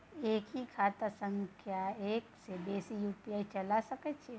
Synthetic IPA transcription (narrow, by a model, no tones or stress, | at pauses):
eːkikʰaːt̪asə̃ŋɡkʰjaeːkseb̪eːsijuːpijaːit͡ʃɐlasɐkət͡ʃʰe